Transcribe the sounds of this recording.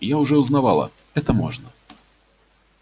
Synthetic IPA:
jaʊʐɛʊznavalˠɐ̰ɛt̪əmɔ̰ʐnə

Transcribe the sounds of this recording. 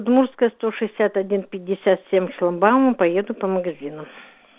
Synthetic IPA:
d̪murskəjəst̪oʂɨɪsʲat̪ɐdʲinpʲɪdʲːɪsʲat̪sʲemʲʃlˠɐmbamʊpɐjed̪ʊpəməɡɐzʲinʊ

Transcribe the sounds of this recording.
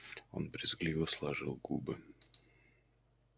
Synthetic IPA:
o̞̰nbɾʲɪzɡlʲivəslˠɐʐɨlˠɡubɨ

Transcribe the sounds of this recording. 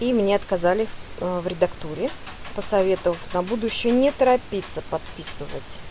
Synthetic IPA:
imnʲeɐt̪kɐzalʲɪvɾʲɪd̪ɐkt̪uɾʲɪ | pəsɐvʲe̞t̪əvəfʲnɐbud̪ʊɕːɪjənʲɪt̪əɾɐpʲit̪səpɐt̪pʲisɨvə̰tʲ

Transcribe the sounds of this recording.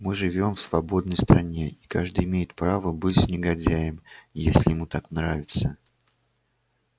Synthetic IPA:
mɨʐɨvʲo̞mfsvɐbo̞d̪nəjst̪ɾɐnʲe̞ikaʐd̪ɨjɪmʲejɪt̪̚pɾavəbɨtʲsʲnʲɪɡɐdʲæjɪmjesʲlʲɪjɪmut̪aknravʲɪt̪sə

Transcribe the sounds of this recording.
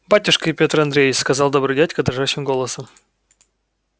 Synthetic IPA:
batʲʊʂkəɪpʲet̪rɐnd̪ɾʲejɪt͡ʃʲskɐzɑlˠd̪obɾɨdʲætʲkəd̪ɾɐʐaɕːɪmɡo̞lˠəsəm

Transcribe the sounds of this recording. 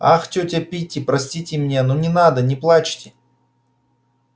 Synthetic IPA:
axtʲotʲɐpʲitʲːɪpɾɐsʲtʲitʲɪmnʲenonʲɪnad̪ənʲɪplˠat͡ɕtʲɪ

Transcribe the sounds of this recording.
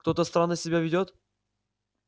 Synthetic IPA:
kt̪ot̪əst̪ɾanːəsʲɪbʲavʲɪdʲot̪

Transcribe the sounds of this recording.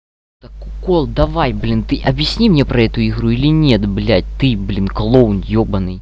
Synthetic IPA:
t̪ɐkːʊkolˠd̪ɐvajblʲint̪ɨʔɐbjɪsʲnʲimnʲepɾɐɛt̪ʊiɣɾuilʲɪnʲet̪blʲæt̚ʲt̪ɨblʲinklˠownjobɐnɨj

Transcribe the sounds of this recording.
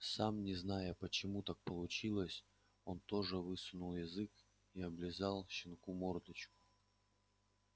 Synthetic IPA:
samnʲɪznajəpət͡ɕɪmut̪ak̚pəlˠʊt͡ɕilˠəsʲ | o̞nt̪o̞ʐɨvɨsʊnʊlˠjɪzɨk | iɐblʲɪzalˠɕɪnkumord̪ət͡ɕkʊ̥

